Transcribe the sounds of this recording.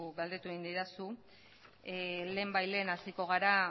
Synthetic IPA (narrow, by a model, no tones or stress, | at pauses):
ɡald̪et̪ue̞ɣind̪iɾasu | le̞ːmbajle̞ːnasiko̞ɣ̞aɾa